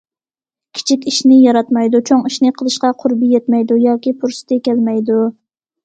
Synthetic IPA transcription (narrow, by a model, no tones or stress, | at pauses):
kʲʰi̥t͡ʃʰikʲiʃnɪjɑɾɑt̪mɑjd̪ut͡ʃʰoŋiʃnɪqʰəlˠɨʃqɑqʰʊɾbijɛt̪mɛjd̪ujɑːkʲipʰuɾsɨ̥t̪ʰɪkʲʰɛlmɛjd̪u